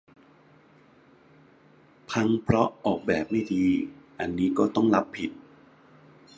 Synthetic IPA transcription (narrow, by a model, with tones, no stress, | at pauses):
pʰa˧ŋpʰɾɔ˦˥ɔː˨˩k̚bɛː˨˩p̚ma˥˩jdʰiː˧ʔa˧nːiː˦˥kɔː˥˩t̪ɔ˥˩ŋla˦˥pʰːi˨˩t̪̚